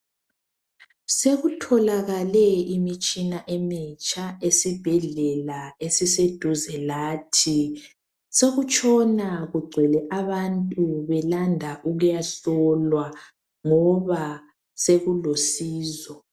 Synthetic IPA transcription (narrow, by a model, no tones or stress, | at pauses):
seɣutʰɔlaɣalɛimit͡ʃʼinaʔɛmɛt͡ʃʼʰaesib̥ʱɛɮɛlaesised̥ʱuzɛlaːtʰi | seɣut͡ʃʼɔnaɣuɡ͡ǀʱwɛlɛʔaβantʼuβɛlandʱaʔuɣujasɔlwa | ŋɔβa | seɣulosiːzɔ